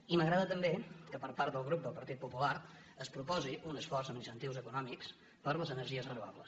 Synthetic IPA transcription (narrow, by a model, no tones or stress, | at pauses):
iməɣɾaðət̪əmbekəpəɾpaɾt̪d̪əlˠɣ̞ɾup̚d̪əlˠpəɾt̪it̪̚pupulaɾ | əspɾupɔziʔunəsfɔrzəminist̪ənt̪iwzəkunɔmiks | pəɾləzənəɾʒiəzrənuβa̰βlə̰s